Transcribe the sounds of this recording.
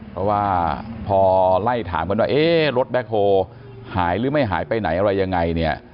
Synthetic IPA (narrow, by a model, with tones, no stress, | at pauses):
pʰɾɔ˦˥waː˥˩pʰɔː˧la˥˩jt̪ʰa̰ː˩˦mka˧nwaː˥˩ʔeː˧˥˩ɾo˦˥t̪̚bɛ˦˥k̚ʰːoː˧ | haː˩˦jɾɯː˩˦ma˥˩jɦa̰ː˩˦jpa˧jna˩˦jʔa˧ɾa˧jːa˧ŋːa˧jni˥˩ɐ